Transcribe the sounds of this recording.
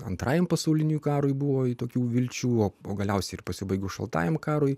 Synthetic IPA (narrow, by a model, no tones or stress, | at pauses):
ɐ̰nt̪ɾɑːjɛmpɐsɐʊlʲɪnʲukɑːɾʊjbʊʋoːɪt̪oːkʲuːʋʲɪlʲt͡ʃʲuːoːoːɡɐlʲɛʊsʲɛɪɪrpɐsʲɪbɐɪɡoːʃɐ̰lˠt̪ɑ̰ːjɛmkɑːɾʊɪ